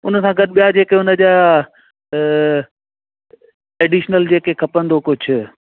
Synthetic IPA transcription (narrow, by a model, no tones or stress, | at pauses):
ʊnəsãɡɐd̪ɓijad͡ʑeːkeʊnə̆d͡ʑa | ɛːɖiːʃnəld͡ʑeːkekʰɐpə̃nd̪okʊd͡ʑʱʊ̆